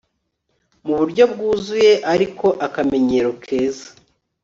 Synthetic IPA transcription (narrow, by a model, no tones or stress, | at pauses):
muβuɾɟo̞bɡuːzuje̞ʔaɾikʰo̞ʔakame̞ɲe̞ɾokʰe̞ːzḁ